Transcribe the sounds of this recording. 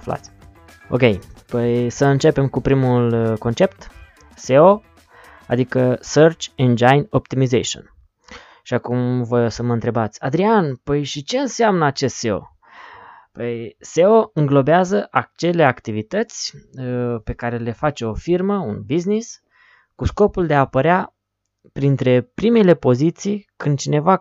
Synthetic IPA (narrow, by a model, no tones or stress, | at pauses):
afla̰t̪sʲ | o̞̰kʲe̞jpəjsəɨnt͡ʃe̞pe̞mkupɾimulko̞nt͡ʃe̞p̚t̪ | seo | a̰d̪ikəsərt͡ʃend͡ʒajnopt̪imizḛʃo̰n | ʃiakumvəsəməɨnt̪ɾe̞bat̪sʲad̪ɾianpəjʃit͡ʃe̞ɨnseamnəat͡ʃe̞st̪se̞o̞̰ | pəjse̞o̞ɨŋɡlo̞beazəʔat͡ʃe̞le̞akt̪ivit̪ət̪sʲ | pe̞kaɾe̞le̞fat͡ʃe̞o̞firməunbiznis | kusko̞puld̪eaːpəɾea | pɾint̪ɾe̞pɾimele̞po̞zit̪sijkɨnd̪t͡ʃine̞va